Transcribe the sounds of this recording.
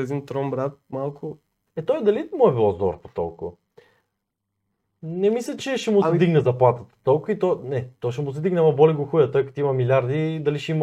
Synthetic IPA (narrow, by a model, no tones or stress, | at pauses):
ɛd̪int̪ɾɔmbɾat̪̚malˠkʰʊ | ɛt̪ɔjd̪ɐlimɔɛbilˠɔzd̪ɔɾpo̥t̪ɔ̰lˠkʊ̰ | nɛmislʲət͡ʃɛʃɛmʊɛd̪iɡnɛzɐplˠat̪ət̪ə̥t̪ɔlˠkʊit̪ɔnɛt̪ɔʃɛmʊsɛd̪iɡnɛamɐbɔlʲɛɡʊxujɐt̪ɔjkɐt̪imɐmilʲaɾd̪id̪ɐliʃɛim